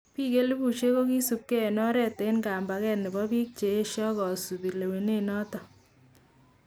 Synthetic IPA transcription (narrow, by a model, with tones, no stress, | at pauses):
pi˦ke˦li˦bu˨t͡ʃe˦ko˦ki˦su˨p̚ke˦˨nɔ˦ɾɛ˦te˨˦nka˨mba˨kɛ˦nɪ˨bɔ˦pi˦k̚t͡ʃeː˨˦ʃɔ˦kɔ˨su˨bi˨le˨we˨ne˦nɔ˦tɔ˨